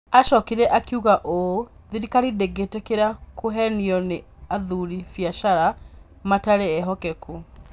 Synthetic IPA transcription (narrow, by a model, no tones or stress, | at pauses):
aʃɔkiɾɛʔakiuɣaʔoðiɾikaɾideɡetekeɾakoɦɛniɔne | aðuɾifjaʃaɾa | mataɾeːɦɔkɛku